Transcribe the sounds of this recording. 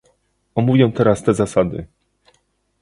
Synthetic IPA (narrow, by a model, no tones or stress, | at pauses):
ɔmuvʲjɛw̃t̪ɛɾast̪ɛzasad̪ɘ̰